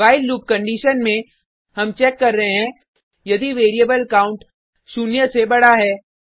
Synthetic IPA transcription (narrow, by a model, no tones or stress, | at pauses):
aːɪlːuːp̚kɐ̃ɳɖiːʃənmẽ | hɐmt͡ʃɛːkːɐɾːɐɦeɦɛ̃ː | jɐd̪iʋeːɾiebəlɐkaːʊ̃ɳʈ | suːnjəsebɐɽaɦɛː